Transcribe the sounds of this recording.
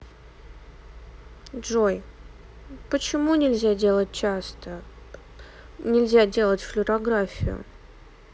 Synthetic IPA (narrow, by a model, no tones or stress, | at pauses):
dʐoj | pət͡ɕɪmunʲɪlʲzʲadʲe̞lˠət̚ʲt͡ɕast̪ə | nʲɪlʲzʲadʲe̞lˠətʲflʲʊɾɐɡɾafʲɪ̰jʊ̰